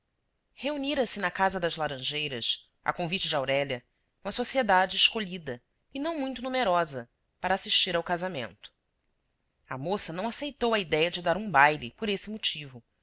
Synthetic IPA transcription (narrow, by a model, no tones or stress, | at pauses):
heuniɾɐsɪnɐkazɐd̪ɐzlaɾɐ̃ʒejɾɐs | ɐ̰kõvit͡ʃɪd͡ʒɪawɾɛʎɐ | ũmɐsosied̪ad͡ʒɪːʃkoʎid̪ɐ | ɪnɐ̃w̃mũj̃t̪ʊnumeɾɔzɐ | paɾaːsiʃt͡ʃiɾawkazamḛ̃nt̪ʊ̥ | ɐmosɐnɐ̃w̃asejt̪owɐid̪ɛjɐd͡ʒɪd̪aɾũbajlɪpoɾesɪmot͡ʃivʊ